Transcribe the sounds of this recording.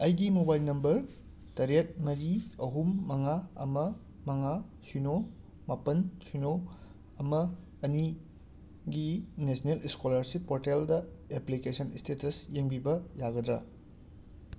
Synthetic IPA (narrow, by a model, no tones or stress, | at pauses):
ɐjɡimobajlnɐmbɐɾ | tɐɾet̚mɐɾiɐɦumːɐŋaɐ̰mɐ | mɐŋasuno | mapɐnsuno | ɐmɐ | ɐni | ɡinesʰneliskolɐɾsipːoɾteldɐeplikesɐnistetɐsjeŋbibɐjaɡɐdɾɐ